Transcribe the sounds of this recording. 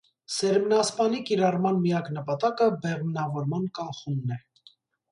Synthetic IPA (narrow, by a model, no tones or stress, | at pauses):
sɛɾmnɑspɑnikiɾɑrmɑnmijɑknəpɑt̪ɑkəbɛʁmnɑvɔɾmɑnkɑχumnɛ